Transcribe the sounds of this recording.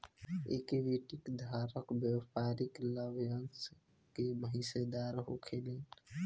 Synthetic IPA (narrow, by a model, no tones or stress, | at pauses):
ḛkiʋiʈikd̪ʱaɾəkbjewpaɾikləbʱjəns | keməɦised̪aɾɦo̰kʰelen